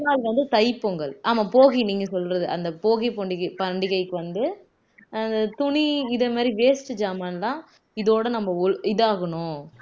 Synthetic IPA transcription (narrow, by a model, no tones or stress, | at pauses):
naːlʋɐnd̪ɯt̪ɐɪpːɯŋɡɐɭʔaːmaːpoːɣiniːŋɡɐsɔlrɐðɯʔɐnd̪ɐpoːɣipoɳɖɪpɐɳɖɪɣɐɪkːɯʋɐnd̪ɯ | ɐnd̪ɐt̪ʊɳiɪðɐmaːd̪ɾiʋeːsʈɯd͡ʒaːmanlãː | ɪðoːɽɐnɐmːɐʊɪðɯaːɣɐɳʊ̃